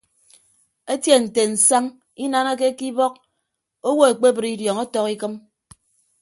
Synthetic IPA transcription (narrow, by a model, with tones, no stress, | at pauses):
e˦tje˦n̩˨te˨n̩˨sa˦ŋ | i˦na˦na˦ke˦ki˦bɔ˦k̚ | o˦wo˦e˨k͡pe˦bɨ˨ɾi˦djɔ˨ŋɔ˦tɔ˦ki˦kɨ˦m